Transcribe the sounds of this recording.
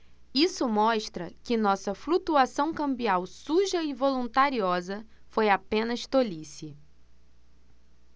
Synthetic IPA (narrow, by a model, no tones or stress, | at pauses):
isʊmɔʃt̪ɾɐkɪnɔsɐflut̪uasɐ̃w̃kɐ̃mbiawsuʒɐɪvolũnt̪aɾiɔzɐ | fojapẽnɐʃt̪olisi